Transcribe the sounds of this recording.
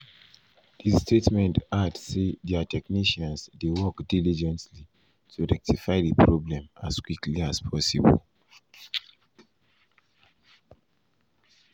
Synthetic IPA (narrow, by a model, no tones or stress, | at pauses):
distʰetmɛ̃ntadsedɛatʰɛkniʃãnsdewɔkdilid͡ʒɛ̃ntli | tʰuɹɛk̚tʰifaɪðipʰɹɔblɛ̃ma̰skwikliaspʰɔsḭbɔ̰l